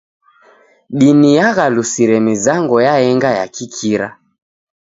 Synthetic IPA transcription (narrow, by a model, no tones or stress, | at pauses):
ɗinijaɣalusiɾɛmizaŋɡɔjaɛŋɡaja̰kikʰiɾa̰